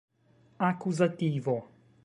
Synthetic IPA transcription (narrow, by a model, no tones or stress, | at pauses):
akuzat̪iːvo